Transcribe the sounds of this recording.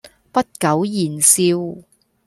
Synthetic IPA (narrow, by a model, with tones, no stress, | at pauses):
pɐ˥t̚kɐ˨˥wjiː˨˩nsiː˧˥w